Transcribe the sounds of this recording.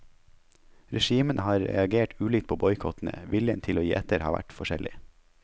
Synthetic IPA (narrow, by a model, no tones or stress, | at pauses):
ɾɛʃiːmənʔəhɑːɾɛ̰ɑɡeːʈʉːliːkt̪pʰoːbɔʏkʰɔt̪n̩ə̰ʋɪljənt̪ʰɪloːjiːʔɛt̪əɾhɑ̰ːʋʔæ̰ʈfɔʃɛlɪ